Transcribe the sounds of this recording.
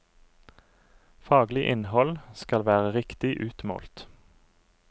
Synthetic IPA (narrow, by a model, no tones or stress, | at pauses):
fɑːɡlɪʔɪnhɔlskɑlʋæːʁəʁɪkt̪ɪʔʉːt̪mo̰ːlt̪